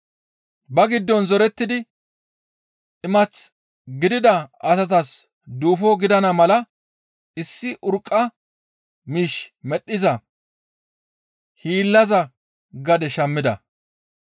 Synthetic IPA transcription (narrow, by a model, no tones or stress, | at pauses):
bɐɡɪd̪ːɔnzɔɾɛt̪ːɪd̪ɪ | ʔɪmɐt͡s | ɡɪd̪ɪd̪ɐɐsɐt̪ɐs | d̪uːfɔɡɪd̪ɐnɐmɐlɐ | ɪsːɪʔʊɾkʼːɐ | miːʃmɛɗːɪzɐ | hiːlːɐzɐ | ɡɐd̪ɛʃɐmːɪd̪ɐ̰